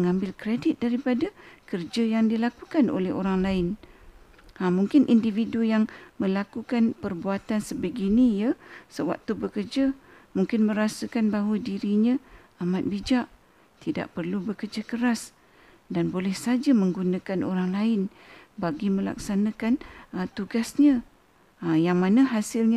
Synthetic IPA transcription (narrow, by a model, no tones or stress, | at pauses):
məŋambɪlkɾedɪt̪̚daɾipadakərd͡ʒajaŋdilakukanʔo̰lɛhoɾaŋlaɪn | amuŋkɪnʔindividujaŋmə̃lakukanpərbuat̪ansəbəɡiniijasəwa̰k̚t̪ubəkərd͡ʒa | muŋkɪnmə̃ɾasəkanbaɦwədiɾiɲã | amat̪̚bid͡ʒaʔ | t̪ida̰ʔpərlubəkərd͡ʒakəɾas | danbolɛhsad͡ʒaməŋɡunãkanʔoɾaŋlaɪn | baɡimə̃la̰k̚sanãkanət̪uɡasɲã | əjaŋmanəɦasɪlɲa